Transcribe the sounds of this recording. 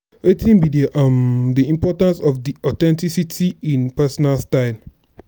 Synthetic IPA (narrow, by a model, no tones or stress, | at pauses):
wetĩnbidimdiĩmpɔtãnsɔfdiɔtɛ̃ntisitʰiĩnpɛsɔnalstaɪn